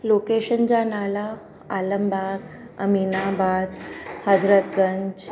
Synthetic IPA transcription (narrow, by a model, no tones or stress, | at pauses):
lokeɕənt͡ɕanala | aləmbak | ə̰minabad̪həd͡zɾət̪ɡəɲd͡ʑ